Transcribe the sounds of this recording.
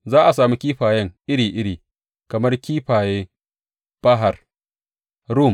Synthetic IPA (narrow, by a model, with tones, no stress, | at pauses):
zaː˦ʔa˨saː˨mi˦kʲiː˦ɸaː˨jɐ˦ŋʔɪ˦ɽiː˨ʔɪ˦ɽiː˨ | kɐ˨mɐ˦rkʲiː˦ɸaː˨jeː˦ | b̥ɐ˦ɦa˨r | ɾu˦˨m